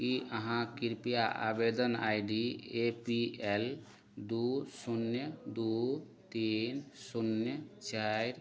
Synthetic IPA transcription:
kiəɦãkiɾpijaʔa̰bed̪əna̰jɖiepiɛl | d̪usunːjəd̪u | t̪insunjət͡ʃajɾ

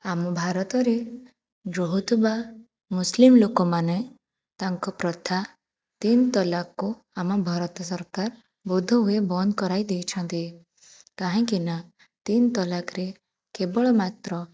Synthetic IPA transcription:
amɔbʱaɾɔt̪ɔɾe | ɡɾoɦut̪ʰuba | muslimlokɔmane | t̪aŋkɔpɾɔt̪ʰa | t̪int̪ɔlakːu | amɔbʱɔɾɔt̪ɔsɔɾkaɾ | bud̪ʱːɔɦuebɔnd̪kɔɾajd̪ejt͡ʃʰɔnt̪i | kaɦĩŋkina | t̪int̪ɔlakʰɾe | kebɔɭɔmat̪ɾɔ

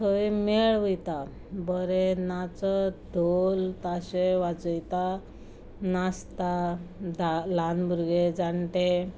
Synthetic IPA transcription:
kʰəimeɭʋəjt̪a | bəɾenat͡sɔd̪ʱolt̪aɕeʋat͡səjt̪a | nast̪adalanbuɾɡed͡zaɳʈe

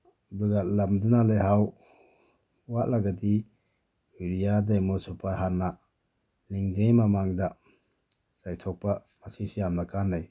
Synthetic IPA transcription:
duɡalamdunalejɦaw | waʔlaɡadi | wiɾijadajmɔsɔpaɾɦanːa | liŋdejmamaŋda | sajtʰɔk̚pa | masisijamnakʰanːaj

